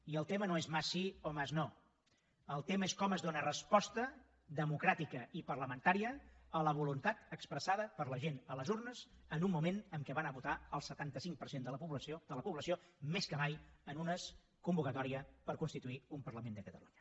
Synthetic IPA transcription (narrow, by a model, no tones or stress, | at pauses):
iəlˠt̪emənoezmasːiomazno | əlˠt̪eməeskɔməzdonərəspɔst̪ə | ðəmukɾat̪ikəipərləmənt̪aɾiəələβ̞ulunt̪at̪əkspɾəsaðəpəɾləʒenələzurnəzənumːumenəmkɛβanəβut̪aəlˠsət̪ant̪əsiŋk̚pəɾsend̪ələpuβləsod̪ələpuβləsiomeskəmajənunəs | kumbukət̪ɔɾiəpəɾkunst̪it̪uiumpəɾləmend̪əkət̪əluɲə